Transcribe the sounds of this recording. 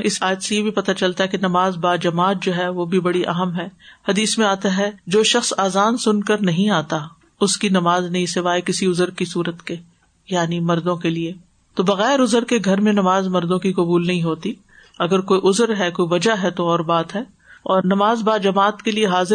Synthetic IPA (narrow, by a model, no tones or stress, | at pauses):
ɪsaːjət̪sejebʱipɐt̪at͡ʃɐlt̪aɦɛkenɐmaːzbaːd͡ʒɐmaːt̪̚d͡ʒoːɦɛʋobʱibɐɽiʔɐ̰ɦəmɦɛːhɐd̪iːsmẽaːt̪aɦɛd͡ʒoːʃɐxsaːzaːnsʊnkɐɾnɐɦĩaːt̪a | ʊskinɐmaːznɐɦĩseʋaːekɪsiʊzəɾkisuːɾət̪ke | jaːnimɐɾd̪õkelie | t̪obɐɣɛːɾʊzəɾkeɡʱɐɾmẽnɐmaːzmɐɾd̪õkikɐbuːlnɐɦĩɦoːt̪i | ɐɡəɾkoːiʔʊzəɾɦɛkoːiʋɐd͡ʒaɦɛt̪oɔːɾbaːt̪ɦɛː | ɔːɾnɐmaːzbaːd͡ʒɐmaːt̪kelieɦaːzɪ